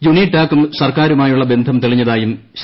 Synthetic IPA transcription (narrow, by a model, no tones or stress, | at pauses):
d͡ʑuɳiʈːaːkːumsɐrkaːɾumaːjuɭːɐbe̞nd̪ʱɐmt̪iɭiɲːɐðaːjumɕ